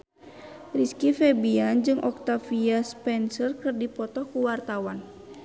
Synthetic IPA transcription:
riskifɛbiand͡ʒɨŋʔɔk̚t̪afiaspɛnsərkɨrdipɔt̪ɔhkuwart̪awan

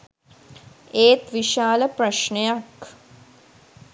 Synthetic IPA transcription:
eːt̪ʋiʃaːləprɐʃɳejak

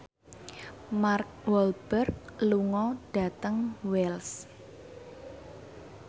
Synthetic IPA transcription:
mark̚wɔlb̥ərk̚luŋɔɖ̥a̤t̪əŋwɛls

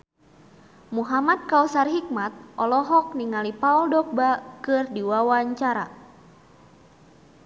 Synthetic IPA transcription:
muɦamad̪̚kausarɦik̚mat̪̚ʔɔlɔɦɔk̚niŋalipauldɔk̚bakɨrdiwawaɲt͡ʃaɾa̰

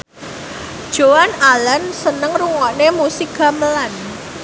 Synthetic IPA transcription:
d̥ʒ̥oanalənsənəŋruŋɔʔnemusiɡa̤məlan

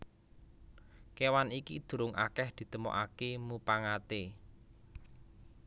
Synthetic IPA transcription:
kewanikid̪̥ṳɾʊŋʔa̰kɛhd̪̥i̤t̪əmo̰ʔakemupaŋat̪e

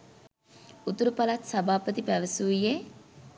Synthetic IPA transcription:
ut̪uɾupalat̪sabaːpət̪ipæʋəsuːije

